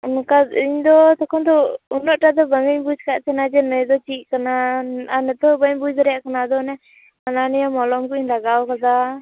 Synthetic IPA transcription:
unkaiɲd̪ɔt̪ɔkʰɔnd̪ɔunɔʔʈad̪ɔbəŋɡəɲbud͡ʒkaʔt̪ʰɛnad͡ʒɛnəjd̪ɔt͡ʃiʔ̚kanaanɛt̪ɔbəɲbud͡ʒɾɛjaʔkanad̪ɔnɛ | ananɛjamɔlɔmkuiɲlaɡawkad̪a

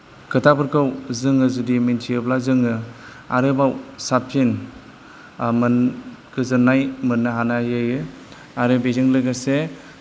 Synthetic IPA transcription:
kʰɯtʰabɯɾkʰawzɯŋɯzudimintʰiɯblazɯŋɯ | a̰ɾɯbawsapʰin | mɯnɡɯzɯnːajmɯnːɯɦanajɯjɯ | aɾɯbezɯŋlɯɡase

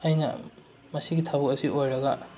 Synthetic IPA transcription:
ɐjnɐ̰ | mɐsiɡitʰabɔk̚ɐsiʔojɾɐɡɐ

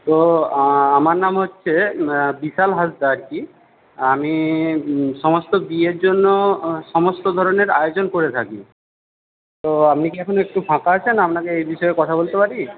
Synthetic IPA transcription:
t̪o | amaɾnamɦotːɕʰebiʃalɦasd̪aɾki | ami | ʃɔmost̪obieɾd͡ʑonːoʃɔmost̪od̪ʱɔɾoneɾajod͡ʑonkoɾet̪ʰaki | t̪oapnikiɛkʰonoek̚ʈufʰãkaat͡ɕʰenaapnakeejbiʃɔekɔt̪ʰabolt̪epaɾi

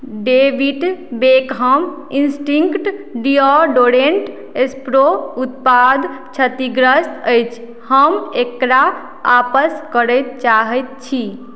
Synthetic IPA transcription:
ɖeʋiʈbekɦəm | insʈĩŋkʈɖiɔɖoɾeɳʈ | espɾout̪̚pad̪t͡ʃʰət̪iɡɾəsəjt͡ʃʰ | həmekɾa | apəskəɾəjt̪̚t͡ʃaɦəjt̪̚t͡ʃʰi

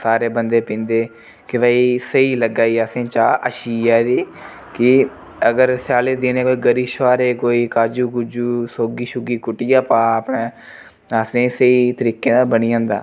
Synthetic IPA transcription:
saːɾeːbənd̪eːpĩːnd̪eː | kɪʋaːiːsəiːləɡaːiːaːsẽːt͡ʃaːʔəʃiːɛːd̪iː | kɪ | əɡəɾsaːleːd̪ɪnẽːkoːiːɡəɾiːʃʋaːɾeːkoːiːkaːd͡ʒuːɡʊd͡ʒuːsoːɡiːʃʊɡiːkʊʈɪjaːpaːəpneː | asẽːsəiːt̪əɾiːkːeːnaːbəniːãːnd̪a̰ː

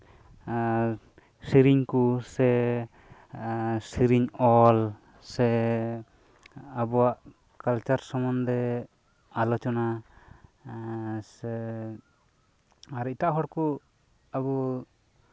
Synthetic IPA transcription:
siɾiɲkusɛ | siɾiɲɔl | sɛ | abɔwaʔ | kalt͡ʃaɾsɔmɔnd̪ɛ | alɔt͡ʃɔna | sɛ | aɾit̪aʔɦɔɽku | abu

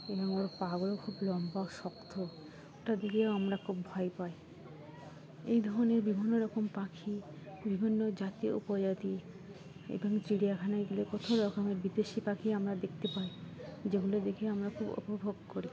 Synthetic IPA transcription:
eboŋoɾpaɡolokʰublɔmbaoʃɔkt̪ʰo | oʈad̪ekʰioamɾakʰubbʱɔepae | ejd̪ʱɔɾoneɾbibʱinːoɾɔkompakʰi | bʱibʱinːod͡ʑat̪ioṵpod͡ʑat̪i | ḛboŋt̪ɾiɽijakʰanaeɡulekot̪ʰoɾɔkomeɾbid̪eʃipakʰiamɾad̪ek̚ʰt̪epaed͡ʑeɡulod̪ekʰeamɾakʰubo̰pobʱoɡkoɾi

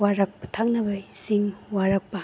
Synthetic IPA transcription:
aɾɐk̚pɐ̥tʰak̚nɐbɐsiŋwaɾɐk̚pɐ

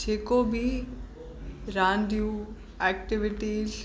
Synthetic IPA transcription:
d͡ʒeːkobʱi | ɾãːnd̪iju | ɛːk̚ʈɪʋɪʈiːz

